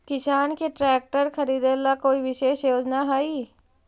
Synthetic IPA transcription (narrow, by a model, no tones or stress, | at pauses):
kɪʃaːnkeʈɾɛːk̚ʈəɾxʰɐɾiːd̪elakoːiʋɪʃeːʃjoːd͡ʒnaɦaiː